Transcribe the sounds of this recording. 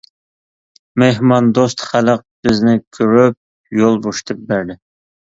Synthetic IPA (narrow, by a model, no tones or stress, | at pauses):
meɦmɑnd̪ost̪χæləq̚b̥ɪznɪkʲʰøɾyp̚ | jolˠboʃt̪ʰɨp̚bæɾd̪ɪ